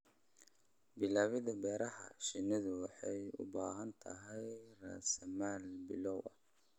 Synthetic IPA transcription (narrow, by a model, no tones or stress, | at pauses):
bɪlaːwɪðʊbɛːɾɐhɐ̰ʃɪnɪðʊwɑħɑjʊ̰baːɦɐnt̪ʰɐ̰ɦɛjra̰ːsɐmaːlbɪlɔwɐ̰